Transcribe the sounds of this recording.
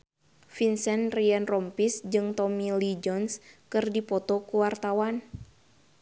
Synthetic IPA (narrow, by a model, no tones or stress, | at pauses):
finsɛnriɛnrɔmpisd͡ʒɨŋt̪ɔmilid͡ʒɔnskɨrdipɔt̪ɔkuwart̪awan